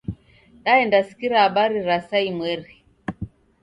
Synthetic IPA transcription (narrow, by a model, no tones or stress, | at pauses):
ɗaɛndasi̥kiɾaːɓaɾiɾasaimwɛɾi